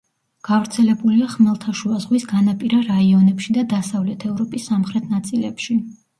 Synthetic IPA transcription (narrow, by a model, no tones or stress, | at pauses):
ɡ̥avɾt̪sʰɛlɛbuliaχmɛlˠt̪ʰaʃuazʁwisɡanapʼiɾaɾaiɔnɛpʃid̪ad̪asavlɛt̪ʰɛvɾɔpʼisːamχɾɛt̪ʰnat̪sʼilɛ̰pʃi